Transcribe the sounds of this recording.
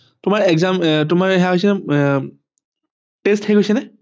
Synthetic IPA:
tʊmaɹɛɡzamtʊmaɹɦɛaɦojs̬ɛnɛ | testhejɡojsɛnɛ

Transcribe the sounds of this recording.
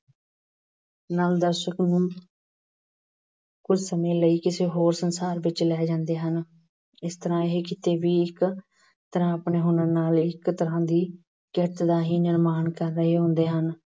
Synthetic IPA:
naːld̪əɾʃəknũː | kʊd͡ʒsəmẽːləiːkɪseːɦoːɾsənsaːɾʋɪt͡ʃlɛːd͡ʒãːnd̪eːɦən | ɪst̪əɾãːɪɦekɪt̪eːʋiːɪk | t̪əɾãːəpɳeːɦʊnəɾnaːlɪkt̪əɾãːd̪iː | kɪɾət̪d̪aːɦiːnɪɾmaːnkəɾːəɦeːɦʊ̃nd̪eːɦən

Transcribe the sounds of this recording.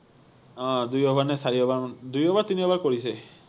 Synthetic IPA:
ɔ̃d̪ujɔbaɾnesaɾiɔbaɾd̪ujɔbaɾt̪iniɔbaɾkɔɽise

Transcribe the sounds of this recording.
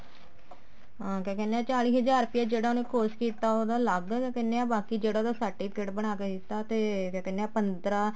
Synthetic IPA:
ɦãːkɛ̃ːkɛːnːeãːt͡ʃaːliːɦəd͡ʒaːɾpɪjaːd͡ʒeːɽaːonẽːkoːskiːt̪aːod̪aːləɡkɛ̃ːkɛːnːeãːbaːkiːd͡ʒeːɽaoːd̪aːsaːʈːiːt̪keʈbəɽ̃aːkekiːt̪aːt̪eːkɛ̃ːkɛnːeaːpənd̪ɾaː

